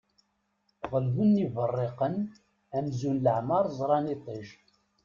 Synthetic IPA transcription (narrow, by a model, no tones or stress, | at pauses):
ʁəlðunːivərˤːeqən | æmzunləʕmɑɾˤzˤɾˤɑnit̪ˤiʃ